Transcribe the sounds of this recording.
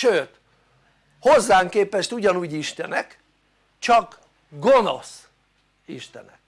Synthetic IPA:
ʃøːt̪ | ho̞zːaːŋkeːpɛʃt̪uɟɒnuːɟiʃt̪ɛnɛk | t͡ʃɒɡ | ɡo̞no̞̰s | ḭʃt̪ɛ̰nɛ̰k

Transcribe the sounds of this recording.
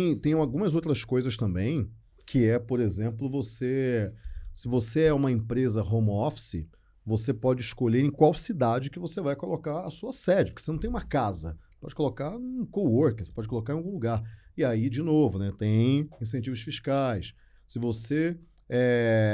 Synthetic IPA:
t̪ẽj̃t̪ẽj̃awɡũmɐzowt̪ɾɐskojzɐst̪ɐ̃mbẽj̃ | kʰɪɛpoɾezẽmplʊvose | sɪvoseɛũmɐẽmpɾezɐɦõmɔfsɪ | vosepɔd͡ʒɪiʃkoʎeɾẽj̃kwawsid̪ad͡ʒɪkɪvosevajkolokaɾɐsuɐsɛd͡ʒɪpɾ̥ke̥osenɐ̃t̪ẽj̃umɐkazɐ̰pɔd͡ʒɪkolokaɾũũkowoɾkɪose̥pɔd͡ʒɪkolokaɾẽawɡũluɡaɾɪaid͡ʒɪnovʊnɛt̪ẽj̃ĩs̬ẽnt͡ʃivʊʃfiʃkajs | sɪvose | ɛ

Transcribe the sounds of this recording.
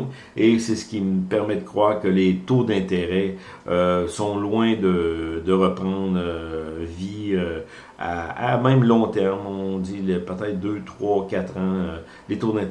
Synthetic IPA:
esɛsə̥kʲiməpɛʁmɛd̪əkχwaːʁkəlet̪od̪ɛ̃t̪eʁɛ | øsɔ̃lwɛ̃d̪əd̪əʁəpʁɑ̃ːd̪ʁøviø | a̰a̰mɛ̃mlɔ̃t̪ɛʁmɔ̃ɔilpət̪ɛt̪̚d̪øt̪χwakʲat̪χɑ̃ø | let̪od̪ɛ̃t̪

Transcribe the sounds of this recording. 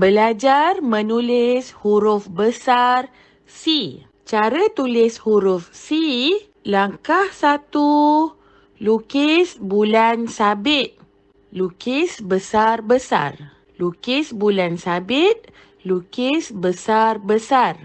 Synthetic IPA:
bəlad͡ʒarmə̃nulɪshuɾʊfbəsar | si | t͡ʃaɾət̪ulɪshuɾʊfsi | laŋkahsat̪u | lukɪsbulansabɪt̪̚ | lukɪsbəsarbəsa̰r | lukɪsbulansabɪt̪̚ | lukɪsbəsarbəsar

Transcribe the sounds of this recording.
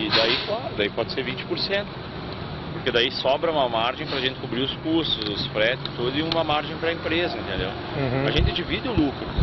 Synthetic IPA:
ɪd̪aiklaɾʊd̪aipɔd͡ʒɪseɾvĩnt͡ʃɪ̥poɾsẽnt̪ʊ | poɾked̪aisɔbɾɐũmɐmaɾʒẽj̃pɾɐʒẽnt̪ɪ̥kubɾiʊskuɾst̪ʊzʊsfɾɛt̪ɪzɪt̪ud̪ʊɪũmɐmaɾʒẽj̃pɾɐẽmpɾezɐẽnt̪ẽnd̪ḛw | ɦɐʒẽnt̪ɪd͡ʒivid̪ɪʊlukɾʊ

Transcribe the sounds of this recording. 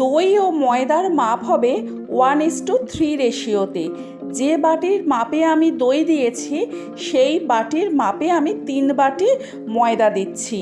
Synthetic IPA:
d̪ojomɔed̪aɾmapɦɔbe | wanesʈut̪ʰɾiɾeʃiot̪e | d͡ʑebaʈiɾmapeamid̪ojd̪ijet͡ɕʰi | ʃejbaʈiɾmapeamit̪inbaʈi | mɔed̪ad̪itːɕʰi

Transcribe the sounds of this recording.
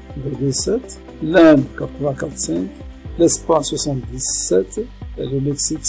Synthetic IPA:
vɛ̃d̪isɛt̪ | lɛ̃nkat̪ʁəvɛ̃kat̪ʁsɛ̃klɛspaɲswasɑ̃t̪d̪izsɛt̪ḛləmɛksik

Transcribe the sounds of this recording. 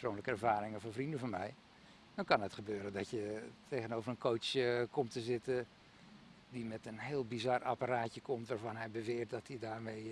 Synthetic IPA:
sproːnləkəɛrɹvaːɾɪŋənvɔnvrindəvɔnmɛj | nɔkɑnɦətχəbøːɾəndɔtjətʰejɣənowvərənkʰowsəkɔmtəzɪtə | dimɛtənɦɪːlˠbizɑrapaɾaːtjəkʰɔmtʋaːɹvɑnɦɛjbəʋɪːt̚dɔtʰidaːrmej

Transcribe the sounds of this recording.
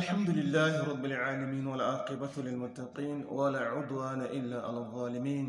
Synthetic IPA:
ʔalħamd̪ʊlɪlːaːhɾˤɑbːalʕaːlamiːnwalʔɑːqɨbalɪlmʊt̪ːɑqiːnwalaːʕʊd̪ˤwaːnaʔɪlːaːʔa̰laðˤːɑːlɪmiːn

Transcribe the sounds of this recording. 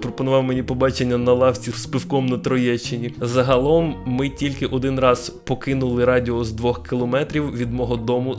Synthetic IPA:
pɾɔpɔnʊʋɑwmenʲipɔbɑt͡ʃenʲːɐnɐlˠɑwt͡sʲispɪwkɔmnɐt̪ɾɔjɛt͡ʃːɪnʲizɐɦɐlˠɔmːɪtʲilʲkɪʔɔd̪ɪnrɑz̥pɔkɪnʊlˠɪɾɑdʲiɔzd̪ʋɔxkɪlˠɔmɛt̪ɾʲiwʋʲid̪mɔɦɔd̪ɔmʊ

